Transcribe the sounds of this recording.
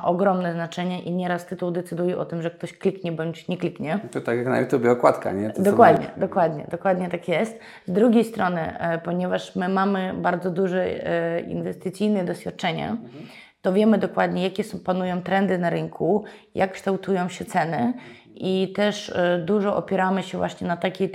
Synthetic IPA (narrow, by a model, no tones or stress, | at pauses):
ʔɔɡɾɔmnɛznat͡ʂɛɲɛʔiɲɛɾast̪ɘt̪uwd̪ɛt̪sɘd̪ujɛʔɔt̪ɘmʐɛk̚t̪ɔɕklʲikɲɛbɔɲt͡ɕɲɛklʲikɲɛt̪ɔt̪akʲjakna̰jut̪ʲubʲɛɔkwat̪ka̰ɲɛd̪ɔkwad̪ɲɛ̰d̪ɔkwad̪ɲɛ̰d̪ɔkwad̪ɲɛt̪akjɛst̪ | zd̪ɾuɡʲejst̪ɾɔnɘ̰pɔɲɛvaʂmɘmamɘbaɾd̪zɔd̪uʐɛḭnvɛst̪ɨt̪sjijnɛd̪ɔɕfʲjat̪̚t͡ʂɛɲɛ̰ | t̪ɔvʲjɛmɘd̪ɔkwad̪ɲɛjakʲɛsɔpanujɔ̃w̃t̪ɾɛnd̪ɘnaɾɘŋkʰu | jʔakːʂt̪awt̪ujɔ̃w̃ɕɛt̪sɛnɘ | it̪ɛʂd̪uʐɔʔɔpʲjɛɾamɘɕɛvwʔaɕɲɛnat̪akʲɛ